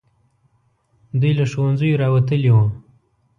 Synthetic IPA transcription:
d̪ujlaʃowanzəjoɾɑwat̪əlewə

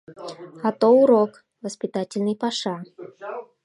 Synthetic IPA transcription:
ɣat̪ɔwuɾɔk | vəsʲpʲɪt̪atʲɪlʲnɨjpaʂa

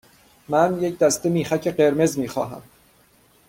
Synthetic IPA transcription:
mænje̞cʰd̪æst̪e̞miːxæcʰe̞ɢe̞ɾme̞zmiːxɒ̰ːɦæ̰m

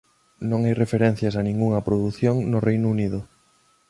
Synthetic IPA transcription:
nõŋajrefeɾẽn̟θjɐs̬ɐnĩŋɡuŋɐpɾoðuθjoŋnʊrejnʊuniðʊ

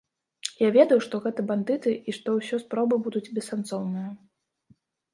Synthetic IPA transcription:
javʲɛd̪ɐjuʂt̪ɔɣɛt̪ɨband̪ɨt̪ɨʔiʂt̪ɔwsʲɔspɾɔbɨbud̪ud͡zʲbʲɛsːant̪sɔwnɨjɐ

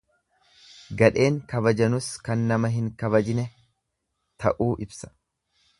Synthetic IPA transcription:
ɡɐᶑe̞ːŋkɐbɐd͡ʒɐnʊskɐnːɐmɐɦɪŋkɐβɐd͡ʒɪnɛ | t̪ʰɐ̰ʔuːʔɪbsɐ̥

